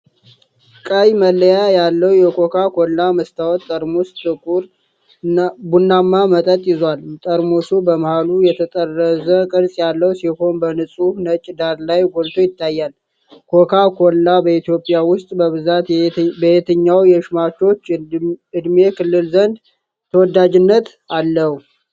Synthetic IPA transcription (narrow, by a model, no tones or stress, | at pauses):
kʼəjməlːəjajalːəwjɛkʰo̞kʰakʰolːaməst̪ʰawɔt̪ʼːəɾmost̪ʰʼɨkʼuɾ | bunːamːamət̪ʼət̪ʼjɪzwalt̪ʼəɾmosubəməhalujɛt̪ʰət̪ʼərːəzəkʼɨɾsʼjalːəwsiho̞nbənɨsʼunət͡ʃʼːd̪aɾlajɡolt̪ʰo̞jɪt̪ːajːal | kʰo̞kʰakʰo̞lːabəit̪jo̞pʼjawʊst̪ʼbəβɨzat̪bəet̪ʰəɲːawjɛʃmat͡ʃːo̞t͡ʃːɨd̪me̞kʰɨlːɨlzənd̪ | t̪ʰəwɔd̪ːad͡ʒɪnːət̪ | alːəhu